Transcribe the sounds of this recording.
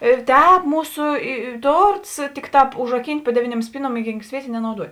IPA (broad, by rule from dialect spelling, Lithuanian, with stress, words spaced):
ɪr ˈtʲɛːp ˈmuːsʊ ɪ ɪ ˈtoːrts ˈtʲɪkˌtɑːp ʊʒrɐˈkʲiːnʲtʲ pʊ ˈdʲæːʋʲɪˌnʲuɔm ˈsʲpʲiːˌnuɔm ɪ ˈɡʲiːŋk ˈsʲʋʲiɛtʲeː nʲɛnɐʊˈduɔtʲ